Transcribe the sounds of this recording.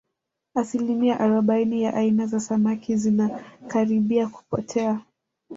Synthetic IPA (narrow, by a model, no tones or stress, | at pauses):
asilimiaʔaɾɔɓainijaʔainazasamakʰizinakaɾiɓiaku̥pɔ̰tʰɛa